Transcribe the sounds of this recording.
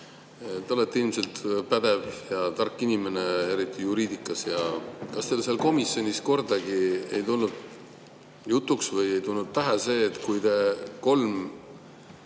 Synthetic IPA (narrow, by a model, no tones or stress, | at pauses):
t̪eolet̪ːilmse̞lt̪pæd̪̥e̞vjɑt̪ɑrkˑːinime̞ne̞e̞ɾit̪ːˑijuɾiːd̪ikːˑɑsjɑkɑst̪eːlselko̞misjo̞nʲisko̞rd̪̥ɑɡiejt̪ulnud̪̥ | jut̪ːˑuksvɤje̞jt̪ulnud̪̚t̪æɦese̞ːt̪ːˑkujt̪e̞ko̞lm